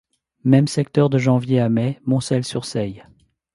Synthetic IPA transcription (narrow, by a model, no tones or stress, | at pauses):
mɛmsɛkt̪œʁd̪əʒɑ̃vjeamɛmɔ̃sɛlsyʁsɛj